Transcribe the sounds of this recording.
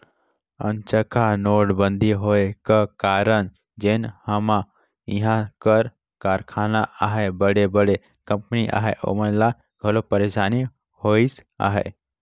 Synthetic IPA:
ə̰nt͡ʃəkʰanoːɽbə̃nd̪ʱiɦoekakaːɾən | d͡ʒenhəmã | iɦãkəɾ | kaːɾkʰaːnaʔaɦebəɽebəɽe | kə̃mpniʔa̰ɦeʔo̰mənla | ɡʱəlopəɾeʃaːni | hoisa̰ɦḛ

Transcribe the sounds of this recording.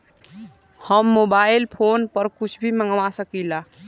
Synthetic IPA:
həmːobailpʰonpəɾkut͡ʃʰbʱiməŋɡʋasəkila

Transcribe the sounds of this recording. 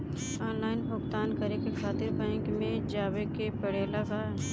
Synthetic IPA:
ɔːnlaːɪnɦʊkt̪aːnkɐɾekexʰaːt̪ɪɾpãɪ̃ŋkmẽd͡ʒaːwekepɐɽeːlaɡaɛ

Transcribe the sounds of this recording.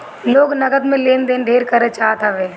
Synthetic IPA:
loːɡnɐɡəd̪mẽleːnd̪eːnd̪ʱeːɾkəɾət͡ʃaːt̪aʋeː

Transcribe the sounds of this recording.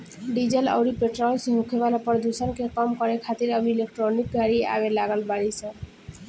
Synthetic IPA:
ɖid͡ʑela̰wɾipeʈɾɔlseɦukʰebalapɔɾd̪ʱusankekɔmkɔɾekʰat̪iɾabilek̚ʈɾonikɡʱaɾia̰beɾlaɡalbaɽisa

